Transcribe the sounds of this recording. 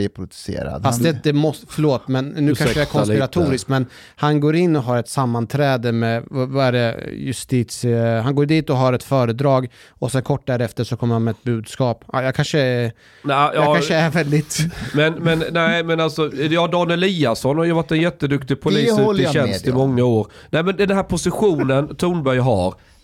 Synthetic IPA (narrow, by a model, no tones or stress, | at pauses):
ɪpʰɾʊd̪sḛːɾa̰d̪fast̪d̪ɛd̪ɛmɔsfœɭoːt̪mɛnːʉːkanəjaɛɾkʰɔnspɪɾat̪ʰuːɾɪskmɛn | hanɡoːɾɪnːɔɦɑːɾɛt̪samːant̪ʰɾɛːd̪əmɛvvaæɖɛjɵ̰st̪iːt̪shanɡoːɾɖiːt̪ɔɦaːɾɛt̪fœːɾəd̪ɾɑːɡ | ɔsɛnkʰɔʈːd̪æːɾɛft̪əʂɔkʰɔmːəɾhanmɛɛt̪̚bʉ̟ːd̪skɑːpɑ̰jɑkʰanʂəɛ | nɛːaʂəæɾvɛld̪ɪt̪mɛnmɛnnɛmɛnaltsɔjɑːd̪ɑːnɪliːasɔnhaɾjəvaʈːɛnjɛt̪ːəd̪ɵkt̪ɪɡpʰʊliːsʉɔɕɛnst̪ɪmɔŋːaoːɾ | nɛɪmɛnd̪ɛnnɦæːɾpʰʊsɪɧuːnənt̪ʰuːnbœɾjɦɑ̰ɾ